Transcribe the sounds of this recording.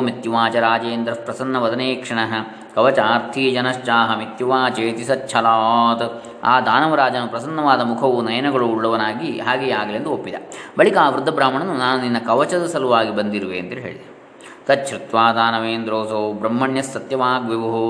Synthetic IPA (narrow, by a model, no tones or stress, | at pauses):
mit̪juʋaːt͡ʃɐɾaːd͡ʒeːnd̪ɾɐpɾɐsɐnːɐʋɐd̪ɐneːkʂɐɳɐɦɐ̆ | kɐʋɐt͡ʃaːɾt̪ʰiːd͡ʒɐnɐʂt͡ʃaːɦɐmit̪juʋaːt͡ʃeːt̪isɐtːt͡ʃʰɐlaːt̪ɐ | a̰ːd̪ʱaːnɐʋɐɾaːd͡ʒɐnupɾɐsɐnːɐʋaːd̪ɐmukʰɐʋunɐjɐnɐɡɐɭuːɭːɐʋɐnaːɡiɦaːɡeːaːɡɐleːnd̪uopːid̪ɐ̰bɐɭikɐaaːʋɾud̪ʱːɐbɾaːmɐɳɐnːunaːnuninːɐkɐʋɐt͡ʃɐd̪ɐsɐluʋaːɡibɐnd̪iɾuʋeːnt̪ilɦḛːɭid̪ɐ | t̪ɐtʃʰɾit̪ʋaːd̪aːnɐʋeːnd̪ɾoːsoːbɾɐmːɐɳjɐsːɐt̪jɐʋaːɡʋiʋɐɦu